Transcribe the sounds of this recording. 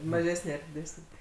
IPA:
mɐˈʒʲæːsʲnʲeː ɐr dʲɪˈdʲæːsʲnʲeː

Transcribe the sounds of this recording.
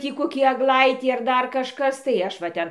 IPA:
ˈtʲiː koːˈkʲiː ɐɡˈlˠɐɪtʲiː ɐr ˈdɐr kɐʃˈkɐs tɐɪ ˈɐʃ ʋɐ ˈtʲɛn

